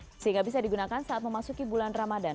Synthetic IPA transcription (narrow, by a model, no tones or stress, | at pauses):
səɦiŋɡabisadiɡunakansaʔat̪̚məmasukibulanramadan